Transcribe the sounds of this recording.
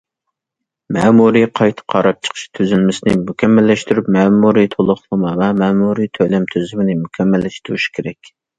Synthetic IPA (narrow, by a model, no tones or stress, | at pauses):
mɛːmuɾiqʰɑjt̪ʰə̥qʰɑɾɑp̚t͡ʃʰə̥qʰə̥ʃt̪ʰyzylmɪsɪnɪ̰mukʲʰɛmːælːɛʃt̪yɾypmɛːmuɾit̪ʰolˠʊχlˠəmɑvɛmɛːmuɾit̪ʰølɛmt̪ʰøzymɪnɪmukʲʰɛmːælːɛʃt̪uɾuʃi̥kʲʰeɾɛkʲ